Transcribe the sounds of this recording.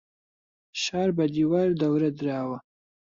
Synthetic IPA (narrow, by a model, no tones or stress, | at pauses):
ʃɑɾbad̪iwɑɾd̪awɾad̪ɾɑwa